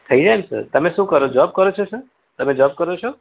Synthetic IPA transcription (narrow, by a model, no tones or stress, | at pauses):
t̪ʰəid͡ʒaemsə̰ɾt̪əmẽʃũkəɾod͡ʒɔːb̚kəɾot͡ʃʰesəɾ | t̪əmẽd͡ʒɔːb̚kəɾot͡ʃʰo